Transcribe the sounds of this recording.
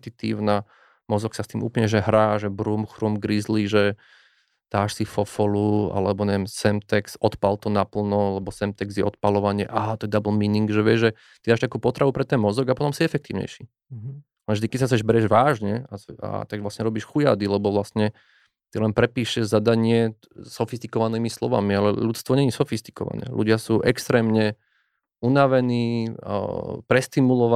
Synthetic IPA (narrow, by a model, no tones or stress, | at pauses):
t̪it̪ḭːʊna | mɔzɔksast̪iːmṵːpl̩ɲɛʒɛɦɾaːʒɛbɾuːmxɾumɡɾizliʒɛ | d̪̥aːʃsifɔfɔlua̰lɛbɔɲɛʋɛmsɛmt̪ɛksɔt̪palt̪ɔnapl̩nɔlɛbɔsɛmt̪ɛɡzjɛʔɔt̪palɔʋaɲɪɛʔaɦt̪ɔɛd̪abl̩miniŋɡʒɛʋɪɛʒʒɛ | t̪id̪aːʃt̪akuːpɔt̪ɾaʋupɾɛt̪ɛnmɔzɔɡapɔt̪ɔmsiɛfɛkt̪iːʊɲɛ̰jʃi | alɛʒd̪ikɛtsas̬ɛʒbɛɾɛʒʋaːʒɲɛaa̰t̪aɡʋlasɲɛɾɔbiːʃxuja̰ːd̪ilɛbɔʋlasɲɛ | t̪ilɛnpɾɛpiːʃɛʒzad̪aɲɪɛ | sɔfist̪i̥kɔʋaniːmislɔ̰ʋa̰mialɛ̰ʎut͡st̪ʋɔɲɛɲisɔfist̪i̥kɔ̰ʋa̰nɛ̰ːlʔṵɟɪasuːʔɛkst̪ɾɛːmɲɛ | unaʋɛnḭː | pɾɛst̪imulɔʋa